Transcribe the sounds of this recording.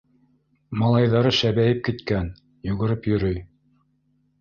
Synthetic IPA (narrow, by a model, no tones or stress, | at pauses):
mɑlˠɑjðɑɾɤʃæβæjɘp̚kit̪kæn | juɣɘ̆ɾɘpjɵ̆ɾɵj